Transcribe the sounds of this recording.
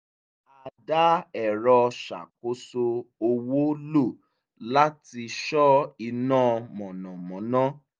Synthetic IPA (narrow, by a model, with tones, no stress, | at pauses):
a˨da˦ɛ˨ɾɔ˧ʃa̰˨k̚o˨˦so˧o˧wo˦lo˦˨ | la˦ti˧ʃɔ˦i˧nãː˦˨mɔ̃˨nɔ̃˨mɔ̃˨˦nã˦